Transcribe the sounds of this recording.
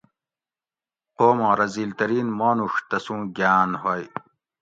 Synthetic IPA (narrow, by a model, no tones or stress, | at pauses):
qoːmõːɾɐziːlt̪ɐɾiːnmoːnuʂt̪ɐsũːɡaːnhoj